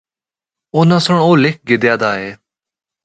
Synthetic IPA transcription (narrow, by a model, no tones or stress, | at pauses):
oːnãːsʊɳoːlɪk̚ʰɡɪd̪jaːd̪aːɦeː